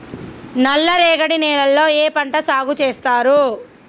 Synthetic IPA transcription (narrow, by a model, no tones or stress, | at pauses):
nɐlːɐɾɛːɡɐɽinɛːlɐlːo̞ːeːpɐɳʈɐsaːɡut͡ʃeːst̪aːɾu